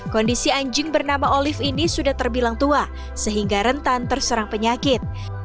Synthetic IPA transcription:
kɔndisiaɲd͡ʒɪŋbərnamaʔolɪfinisudaht̪ərbilaŋt̪ua | səɦiŋɡaɾənt̪ant̪ərsəɾaŋpəɲakɪt̪̚

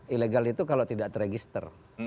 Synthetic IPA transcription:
ileɡalit̪ukalot̪idaʔt̪əɾeɡist̪ə̰r

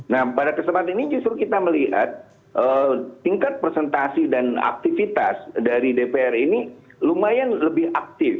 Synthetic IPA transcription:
nahpadakəsəmpat̪ainid͡ʒust̪ɾukit̪aməliɦa̰t̪̚ | ʔəːiŋkat̪̚pɾsɛnt̪asidana̰k̚t̪ifit̪asdaɾidepeɛrini | lumajanləbɪhak̚t̪ɪf

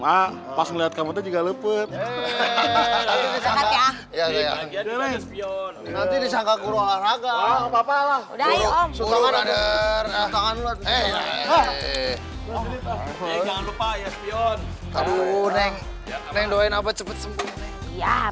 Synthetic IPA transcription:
a | pasaŋliɦat̪̚kamat̪ad͡ʒuɡaləpət̪̚ | at̪idisaa | jaɡajasiɔnnant̪idisaŋkakuɾoanaɡaapapalahdasukaanadərat̪aŋanulat̪̚ɛ | aŋanlupajaspiɔn | kadunɛŋ | nɛŋdoainabət͡ʃəpət̪̚səmbut̪ja

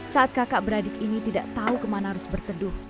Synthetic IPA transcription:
saʔat̪̚kakaʔbəɾadɪkinit̪idaʔt̪aukəmanaɦaɾʊsbərt̪ədʊ

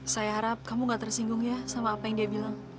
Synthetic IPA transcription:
sajaɦaɾap̚kamuŋɡat̪ərsiŋɡʊŋjasamaːpajaŋdiabilaŋ

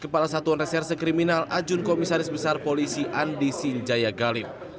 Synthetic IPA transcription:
kəpalasat̪uanrɛsɛrsikɾiminalʔad͡ʒʊnkomisaɾɪsbəsarpolisiʔandisiɲd͡ʒajaɡalɪp̚

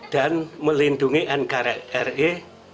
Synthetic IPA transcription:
d̪̥a̤nməlind̪uŋiʔɛnkaɾaɛre

